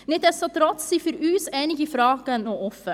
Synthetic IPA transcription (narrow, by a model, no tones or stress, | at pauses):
nɛt̪æst̪ɑːt̪ʰɾɔt̪sifœɾʉːseːnɪɡifɾɑːɡənoɔfə